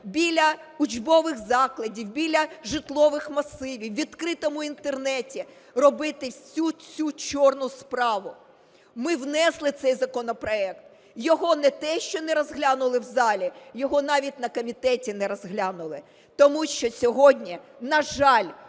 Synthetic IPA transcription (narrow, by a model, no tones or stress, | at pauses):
bʲilʲɐ | ʊd͡ʒʲbɔʋɪxzɑklˠɐdʲiwbʲilʲɐʒɪt̪lˠɔʋɪxmɐsɪʋʲiwʋʲid̪kɾɪt̪ɔmʊint̪ernɛtʲi | rɔbɪt̪ɪt͡sʲut͡sʲut͡ʃɔrnʊspɾɑʋʊ | mɪwnɛslˠɪt̪sɛjzɐkɔnɔpɾɔɛkt̪̚ | jɔɦɔnɛt̪ɛʃt͡ʃɔnɛɾɔzɦlʲanʊlˠɪwzɑlʲijɔɦɔnɑʋʲitʲnɐkɔmʲit̪ɛtʲinɛɾɔzɦlʲɑnʊlˠɪ | t̪ɔmuʃt͡ʃɔsʲɔɦɔdʲnʲinɐʒɑlʲ